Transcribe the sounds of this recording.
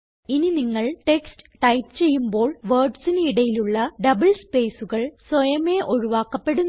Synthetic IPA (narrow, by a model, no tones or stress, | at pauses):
ininiŋːɐɭʈe̞kstɨ̥ʈɐjtːt͡ɕe̞jːumbo̞ːɭʋɐːrɖsineiɽɐjiluɭːɐɖɐbɐɭspe̞ːsuɣɐɭswɐjɐmeːʔo̞ɻuʋaːkːɐpːe̞ɽun